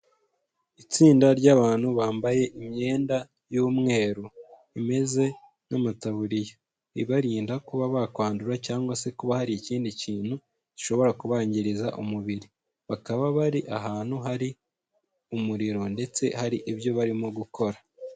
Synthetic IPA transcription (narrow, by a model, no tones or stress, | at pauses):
it͡siːndaɾɟaːβaːn̥huβaːmbaje̞ʔimɲe̞ːnda | juːmŋe̞ːɾu | ime̞ze̞ | namataβuɾije | iβaɾiːndakuβaβakwaːnduɾacaːŋɡwase̞kuβahaɾiːciːndiciːn̥hu̥ | iʃo̞βo̞ɾakuβaːɲɟiɾiza̰ʔumuβiɾi | βakaβaβaɾiʔaɦaːn̥huɦaɾi | umuɾiɾo̞nde̞t͡se̞haɾiʔibjo̞βaɾimoɡukʰo̞ɾa